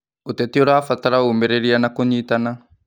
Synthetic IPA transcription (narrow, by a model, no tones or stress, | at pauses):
ut̪ɛt̪ioɾaːfat̪aɾaumbɛɾeɾianakoɲit̪ana